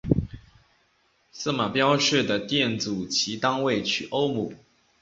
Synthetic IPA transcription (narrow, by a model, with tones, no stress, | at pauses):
s̩˥˩ma˨˩pjɑ˥ʊʂ̩˥˩d̪ə˩t̪jɛ˥˩nt͡su˨˩t͡ɕʰi˧˥˦t̪ɑ˥ŋwe˥˨ɪt͡ɕʰy˥˩ʔo˦ʊmu˨˩˦